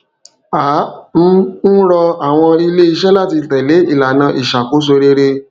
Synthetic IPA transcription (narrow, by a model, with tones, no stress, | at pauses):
a˨˦m̩˦n̩˦ɾɔ˧a˦˨w̃ɔ̃˧ɾi˦le˦i˧ʃɛ˦la˦˨ti˧tɛ˨le˨˦i˦˨la˨nã˧ʔi˨ʃa˨ko˨˦s̬o˧ɾe˧ɾe˧